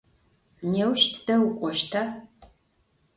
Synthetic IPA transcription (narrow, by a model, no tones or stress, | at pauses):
neːwʃtʰd̥ɐwkʷʼɔʃtʰaː